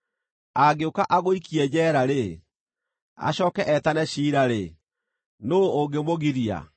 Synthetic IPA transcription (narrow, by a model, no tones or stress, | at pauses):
aɡeokaʔaɣoikiɛd͡ʑɛːɾaɾe | a̰ɕɔːkɛʔɛtanɛɕiːɾaɾe | noːɡemoɣiɾia̰